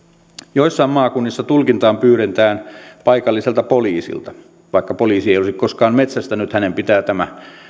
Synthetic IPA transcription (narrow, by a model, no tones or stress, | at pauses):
joisːɑimɑːkunːisːɑt̪ulkint̪ɑːmpyːɾent̪æːnpɑikɑlːiselt̪ɑpoliːsḭlt̪ɑ | ʋɑikːɑpoliːsiejolesikkoskɑːmmet̪sæst̪ænyt̪hænempit̪æːt̪æmæ